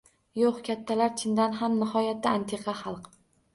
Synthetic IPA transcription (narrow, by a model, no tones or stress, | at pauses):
joqkʲat̪ʰːalaɾt͡ʃ̪ʰɪnd̪anɦamnɪhɒjat̪ːaant̪ʰeqʰɑχɑlˠq